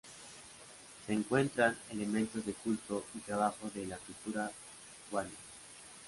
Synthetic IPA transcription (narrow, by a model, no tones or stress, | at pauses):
se̞ːŋkwe̞nt̪ɾane̞le̞mẽ̞nt̪o̞zðe̞kultoit̪ɾaβaxo̞zðelakult̪uɾa | ɣwana